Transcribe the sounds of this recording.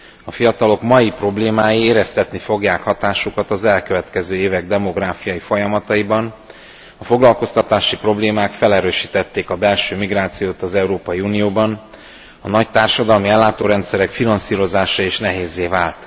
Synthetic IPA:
ɒfijɒt̪ɒlo̞kmɒjipro̞bleːmaːjieːɾɛst̪ɛt̪nifo̞ɡjaːkhɒt̪aːʃukɒt̪ɒzɛlkøvɛt̪kɛzøːeːvɛɡ̚d̪ɛmo̞ɡraːfijɒjifo̞jɒmɒt̪ɒibɒn | ɒfo̞ɡlɒlko̞st̪ɒt̪aːʃipro̞bleːmaːkfɛlɛɾøːʃiːt̪ɛt̪ːeːkɒbɛlʃøːmiɡraːt̪sijoːt̪ɒzɛuɾoːpɒjiuːnijoːbɒn | ɒnɒct̪aːrʃɒd̪ɒlmiɛlːaːt̪oːɾɛnt̪sɛɾɛkfinɒnsiːɾo̞zaːʃɒeːʃnɛɦeːzːeːvaːlt̪

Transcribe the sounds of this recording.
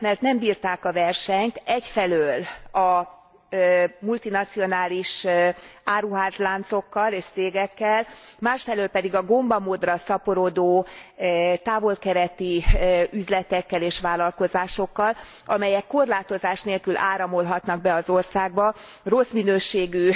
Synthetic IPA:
mɛrt̪nɛmbiːrt̪aːkɒvɛrʃɛɲt̪ɛcfɛløːlɒ | mult̪inɒt̪sio̞naːliʃ | aːɾuɦaːzlaːnt̪so̞kːɒleːʃt̪seːɡɛkːɛlmaːʃfɛløːlpɛd̪iɡɒɡo̞mbɒmoːd̪rɒsɒpoɾo̞d̪oː | t̪aːvo̞lkɛɾɛt̪iyzlɛt̪ɛkːɛleːʃʋaːlɒlko̞zaːʃo̞kːɒl | ɒmɛjɛkːo̞rlaːt̪o̞zaːʃneːlkylʔaːɾɒmo̞lɦɒt̪nɒɡ̚bɛɒzo̞rsaːɡ̚bɒ | ro̞sminøːʃeːɡy

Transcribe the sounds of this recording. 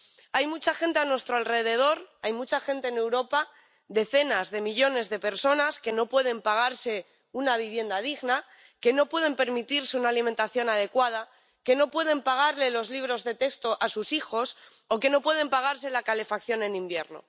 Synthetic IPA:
ajmut͡ʃaxe̞nt̪eanwe̞st̪ɾoalre̞ð̞e̞ð̞o̞ɾajmut͡ʃaxe̞nt̪eːne̞wɾo̞pa | ðe̞θe̞nazðe̞miʎo̞ne̞zðe̞pe̞ɾso̞naske̞no̞pwe̞ð̞e̞mpaɣ̞aɾse̞ | unaβ̞iβ̞je̞nd̪að̞iɣna | ke̞no̞pwe̞ð̞e̞mpe̞ɾmit̪iɾse̞unaːlimẽnt̪aθjo̞nað̞e̞kwað̞a | ke̞no̞pwe̞ðe̞mpaɣ̞aɾle̞lo̞zliβ̞ɾo̞zðe̞t̪e̞kst̪o̞ʔasusixo̞s | oke̞no̞pwe̞ðe̞mpaɣ̞aɾse̞lakale̞fak̚θjo̞nẽ̞nĩmbje̞̰ɾno̞̰

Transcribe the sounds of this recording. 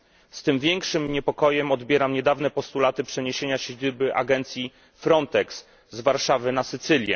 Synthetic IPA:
st̪ɘmvʲjɛŋkʂɘmɲɛpɔkɔjɛmɔd̪bʲjɛɾamɲɛd̪avn̪ɛpɔst̪ulat̪ɘpʂɛɲeɕeɲaɕed͡ʑɘbɘʔa̰ɡɛnt̪sʲji | fɾɔnt̪ɛks | zvaɾʂavɘnasɘt̪sɘlʲjɛ̰

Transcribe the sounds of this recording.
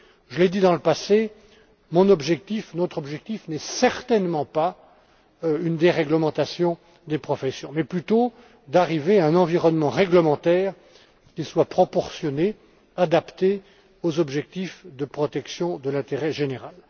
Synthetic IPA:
ʒəled̪id̪ɑ̃ləpase | mɔ̃nɔbʒɛk̚t̪ifnɔt̪χɔbʒɛk̚t̪ifnɛsɛʁt̪ɛnmɑ̃pa | ynd̪eʁɛɡləmɑ̃t̪asjɔ̃ | d̪epχɔfɛsjɔ̃mɛplyt̪o | d̪aʁiveaɛ̃nɑ̃viʁɔnmɑ̃ʁɛɡləmɑ̃t̪ɛːʁ | kʲiswapχɔpɔʁsjɔne | ad̪apt̪e | ozɔbʒɛk̚t̪ifd̪əpχɔt̪ɛksjɔ̃d̪əlɛ̃t̪eʁɛʒeneʁal

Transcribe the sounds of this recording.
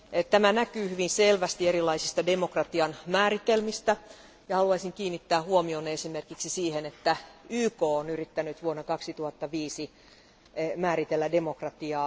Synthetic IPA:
t̪æmænækyːhyʋinselʋæst̪ieɾilːˑɑisist̪ɑdemokrɑt̪iɑnmæːɾit̪elmist̪æ | jɑhɑluɑisiŋkiːnːit̪ːæːhuomionːeesimerkiksisiːhenet̪ːæyːkoːonyɾrit̪ːænyt̪ʋuonːɑkɑksit̪uhɑt̪ːɑʋiːsi | mæːɾit̪elːæde̞mokrɑt̪iɑː

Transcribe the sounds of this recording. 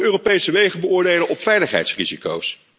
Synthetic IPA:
øːropejsəʋejχəbəʊːɹdejlənʔɔpfɛjləχɦɛ̰jtsriziko̰ws

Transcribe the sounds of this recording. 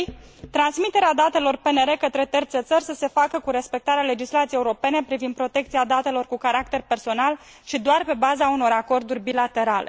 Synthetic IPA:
t̪ɾansmit̪e̞ɾead̪at̪e̞lo̞rpe̞ne̞ɾe̞kət̪ɾe̞t̪ərt̪set̪sərʲsəse̞fakəkuɾe̞spe̞k̚t̪aɾeale̞d͡ʒislat̪siejeuɾo̞pe̞ne̞pɾivind̪̚pɾo̞t̪e̞k̚t̪siad̪at̪e̞lo̞rkukaɾak̚t̪e̞rpe̞rso̞nal | ʃid̪oarpe̞bazauno̞ɾako̞rd̪urʲbilat̪e̞ɾale̞̰

